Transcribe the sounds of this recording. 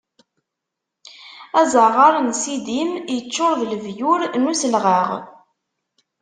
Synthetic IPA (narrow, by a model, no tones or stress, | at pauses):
æzəʁɑɾənsid̪imjət͡ʃːʊɾˤðləvjʊɾnusəlʁəʁ